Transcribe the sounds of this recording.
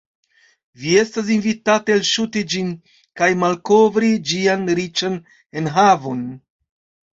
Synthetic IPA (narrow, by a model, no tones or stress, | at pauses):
vie̞stas̬invitatelʃutid͡ʒin | kajmalko̞vɾid͡ʒianɾit͡ʃan | enɦavo̞n